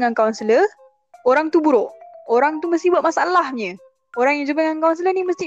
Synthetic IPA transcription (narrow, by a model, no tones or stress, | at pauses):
ŋankawnsələ | oɾaŋt̪ubuɾoʔoɾaŋt̪uməst̪ibuaʔ̪̚masaalahɲə̃ | oɾaŋjaŋd͡ʒəbəŋankawns̬ələniməst̪i